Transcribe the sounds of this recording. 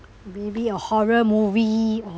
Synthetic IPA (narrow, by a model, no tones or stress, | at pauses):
mebiəhɔɹəmuviɔ